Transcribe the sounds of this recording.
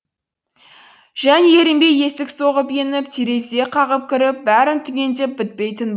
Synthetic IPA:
ʒ̥æneeɾɪmbeje̞sɪkso̞ʁəpjenɪp̚t̪ʰiɾe̞se̞qʰɑʁəp̚kʲʰɪɾɪp̚bæɾɪnt̪ʰʏɡʲe̞nt̪ep̚bɪt̪̚pe̞jt̪ɪn

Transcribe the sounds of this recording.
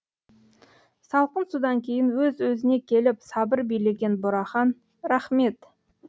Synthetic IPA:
sɑlˠqənsud̪ɑŋkʲʰe̞jɪnwɵzwɵzɪne̞kʲʰe̞lɪpsɑbəɾbijle̞ɡʲe̞nbʊɾɑχɑn | ɾɑχme̞t̪

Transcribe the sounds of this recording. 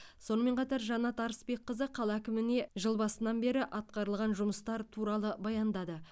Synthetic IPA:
so̞nəme̞ɴqʰɑt̪ɑɾʒɑnɑt̪ɑɾəsbe̞kqːəzəqʰɑlˠɑækʲɪmɪne̞ʒəlˠbɑsənɑnbe̞ɾɪʔɑt̪̚qɑɾəlˠʁɑnʒʊməst̪ɑɾt̪ʰuɾɑlˠəbɑjɑnd̪ɑd̪ə

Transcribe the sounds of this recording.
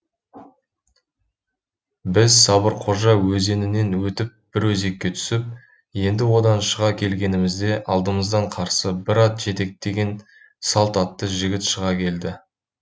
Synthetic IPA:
bɪzsɑbəɾqʰo̞ʒɑwɵze̞nɪne̞nwɵt̪ɪp̚b̥ɪɾwɵze̞kʲːe̞t̪ʰʏ̥sɪp̚ | je̞nd̪ɪwo̞d̪ɑnʃəʁɑkʲʰe̞lɡʲe̞nɪmɪzd̪e̞ʔɑlˠd̪əməzd̪ɑɴqʰɑɾsəbɪɾɑt̪ʒ̥e̞t̪e̞k̚t̪e̞ɡʲe̞n | sɑlˠt̪ɑt̪ːəʒɪɡʲɪt̪ʃəʁɑkʲʰe̞ld̪ɪ

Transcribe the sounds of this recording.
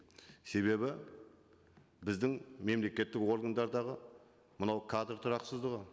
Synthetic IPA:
se̞βe̞bɪ | bɪzd̪ɪŋme̞mle̞kʲe̞t̪ːɪko̞ɾɡand̪ɑɾd̪ɑʁə | mənɑwkʰad̪rt̪ʰʊɾɑqsəzd̪əʁə

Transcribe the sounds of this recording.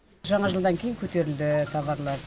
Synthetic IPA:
ʒɑɴɑʒəlˠd̪ɑŋkʲʰejɪŋkʲʰɵt̪e̞ɾɪld̪ɪt̪ʰɑβɑɾlˠɑɾ

